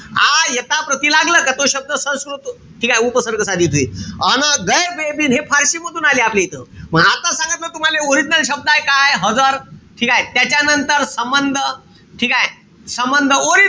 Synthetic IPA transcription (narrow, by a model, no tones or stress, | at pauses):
ajət̪apɾət̪iːlaɡləːkat̪oɕəb̚d̪əsə̃skɾut̪ | ʈʰiːkaɦeupəsəɾkəsad̪ʱiːt̪ʰuḭːənəɡəjbebiːnɦefʰaɾɕiːməd̪ʱuːnaliːaplejt̪əːməɡat̪asãŋɡət̪lət̪um̤aleoɾid͡ʑnəlɕəb̚d̪ajkajeɦəd͡zaɾʈʰikaɦet̪jat͡ɕjanənt̪əɾsəmbənd̪ʱə | ʈʰikae | səmbənd̪ʱəoɾi